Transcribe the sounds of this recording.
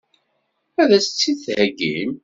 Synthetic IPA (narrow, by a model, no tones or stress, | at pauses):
æðæsə̥t͡sːiðθhæɡḭm